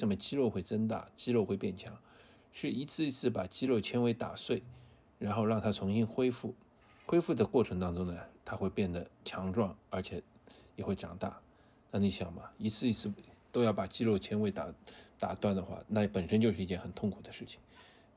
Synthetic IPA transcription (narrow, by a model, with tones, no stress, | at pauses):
e˥˩ʂə˧˥mə˧t͡ɕi˥lo˥˧ʊxwe˥˩ɪt͡sə˥nt̪a̰˥˩t͡ɕi˥lo˥˧ʊxwe˥˧ɪpjɛ˥˩nt͡ɕʰjɑ˧˥ŋ | ʂɻ̩˥˩i˧˥t͡sʰɹ̩˥˧i˧˥t͡sʰɹ̩˥˩pa˨˩t͡ɕi˥lo˥˩ʊt͡ɕʰjɛ˥nwe˧˥ɪt̪a̰˨˩swe˥˩ɪ | ɻa˧˥nxo˥˧ʊɻɑ˥˩ŋt̪ʰa˥t͡sʰʊ˧˥ŋɕi˥nxwe˥ɪfu˥˩ | xwe˥ɪfu˥˩d̪ə˩kwɔ˥˩ʈ͡ʂʰɤ˧˥ŋt̪ɑ˥ŋʈ͡ʂʊ˥ŋnə˨t̪ʰa˥xwe˥˧ɪpjɛ˥˩nd̪ə˩t͡ɕʰjɑ˧˥ŋʈ͡ʂwɑ˥˩ŋə˞˧˥t͡ɕʰjɛ˨˩˦jɛ˨˩xwe˥˩ɪʈ͡ʂɑ̰˨˩ŋt̪a̰˥˩ | na˥˩ni˧˩ɕjɑ˨˩ŋmɐ˦i˧˥t͡sʰɹ̩˥˧i˧˥t͡sʰɹ̩˥˩t̪o˥ʊjɑ˥˩ʊpa˨˩t͡ɕi˥lo˥˩ʊt͡ɕʰjɛ˥nwe˧˥ɪt̪a˨˩t̪a˨˩t̪wa˥˩nd̪ə˩xwa̰˥˩na˥˩pə˨˩nʂə˥nt͡ɕjʂɻ̩˥˧i˧˥t͡ɕjɛ˥˩nxə˨˩nt̪ʰʊ˥˩ŋkʰu˨˩d̪ə˦ʂɻ̩˥˩t͡ɕʰi̥˩ŋ